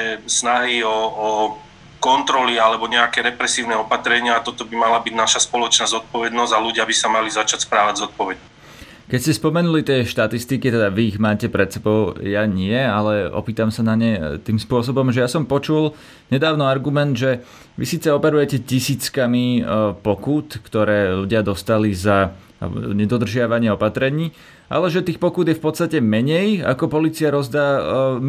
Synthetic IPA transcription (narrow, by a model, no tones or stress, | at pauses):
ɛsnaɦiɔː | kɔnt̪ɾɔlialɛbɔɲɛakɛɾɛpɾɛsiːʊnɛɔpat̪ɾɛɲɪaːt̪ɔt̪ɔbimalabiɟnaʃaspɔlɔt͡ʃnaːzɔt̪̚pɔʋɛd̪nɔzaluɟɪabisamalizat͡ʃacspɾaːʋaɟzɔt̪̚pɔʋɛd̪ | kɛcscɛspɔmɛnulit̪ɪɛʃt̪at̪ist̪ikit̪ɛd̪aʋiːɣmaːcɛpɾɛt̪sɛbɔʊjaɲɪɛalɛɔ̰piːt̪amsanaɲɛt̪iːmspʊɔs̬ɔbɔmʒɛjasɔmpɔt͡ʃul | ɲɛd̪aːʊnɔaɾɡumɛnd̪ʒɛ | ʋḭsiːt͡sɛɔpɛɾujɛcɛcisiːt͡skamipɔkut̪kt̪ɔɾɛːluɟɪad̪ɔst̪aliza | ɲɛd̪ɔd̪r̩ʒɪaʋaɲɪɛɔpat̪ɾɛɲiː | ʔa̰lɛʒɛt̪iːxpɔkud̪jɛfpɔt̪st̪acɛmɛɲɛja̰kɔpɔliːt͡siaɾɔzd̪aː